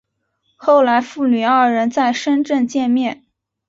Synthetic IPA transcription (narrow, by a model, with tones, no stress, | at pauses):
xo˥˩ʊla˧˥ɪfu˥˩ny˨˩ə˞˥˩ɻə˧˥nt͡sa˥˩ɪʂə˥nʈ͡ʂə˥˧nt͡ɕjɛ˥˧nmjɛ˥˩n